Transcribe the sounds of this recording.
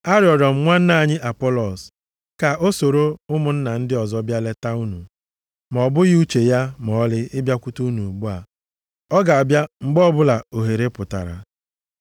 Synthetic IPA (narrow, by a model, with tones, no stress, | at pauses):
a˦ɾjɔ˨dɔ˨m̩˨ŋʷa˦n̩˦na˦˨ɲɪ˦ʔa˨pɔ˦lɔ˨s | ka˨ʔo˦so˨ɾo˦ʊ˦mʊ˨n̩˦na˨n̩˦dɪ˦ɔ˨zɔ˦bja˦le˦ta˦u˦nu˨ | m˨ɔ˨bʊ˦ɣɪ˦u˦t͡ʃe˨ja˦m˨ɔ˨˦lɪ˦ɪ˦bja˦kʷu˦tu˦u˦nu˨ɡ͡bu˦a˨ | ɔ˦ɡa˨a˨bja˦ŋ͡m̩˨ɡ͡bɔ˦bʊ˦la˨o˨ɦe˨ɾe˦pʊ˨ta̰˨ɾa̰˨